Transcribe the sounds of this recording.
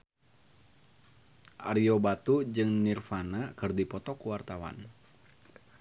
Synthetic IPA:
ʔa̰ɾiɔbat̪ud͡ʒɨŋnirfanakɨrdipɔt̪ɔkuwart̪awa̰n

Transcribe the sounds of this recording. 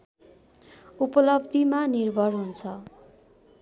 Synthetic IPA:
upʌlʌbd̪ʱimanirbʱʌrɦunt͡sʰʌ

